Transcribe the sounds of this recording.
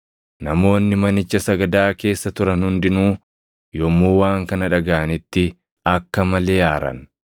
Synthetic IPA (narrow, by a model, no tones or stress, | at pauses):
nɐmo̞ːnːɪmɐnɪt͡ʃːɐsɐɡɐd̪aːke̞ːsːɐt̪ʊɾɐnhʊnd̪ɪnuː | jɔmːuːwaːŋkɐnɐᶑɐɡaːnɪt̪ːɪ | ɐkːɐmɐle̞ːaːɾɐ̰n